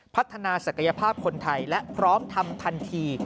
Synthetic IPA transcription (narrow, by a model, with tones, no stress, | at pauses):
pʰa˦˥t̪ʰːa˧naː˧sa˨˩kʰa˧ja˧pʰaː˥˩p̚kʰo˧nt̪ʰa˧jlɛ˦˥ʔpʰɾɔː˦˥mt̪ʰa˧mt̪ʰa˧nt̪ʰiː˧